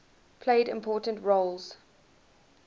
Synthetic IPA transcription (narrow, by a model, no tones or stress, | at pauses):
pʰl̥eɪdɪ̃mpʰɔːˑtə̃ntɹolz̥